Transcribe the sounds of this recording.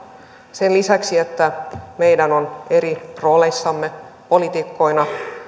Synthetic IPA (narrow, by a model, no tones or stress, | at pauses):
se̞nlisæksie̞t̪ːæme̞jdæno̞ne̞ɾiro̞ːle̞sːɑmːe̞po̞lit̪ikːo̞inɑ